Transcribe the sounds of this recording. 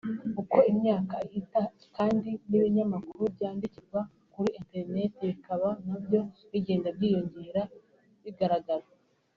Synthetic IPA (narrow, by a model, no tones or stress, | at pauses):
kuko̞imɲaːkaita | kaːndiniβiɲamakuɾubjaːndiciɡwa | kuɾiʔente̞ɾne̞teβikaβanabjo̞βiɟe̞ːndabɟiːjo̞ɲɟeɾa | βiɡaɾaɡaɾa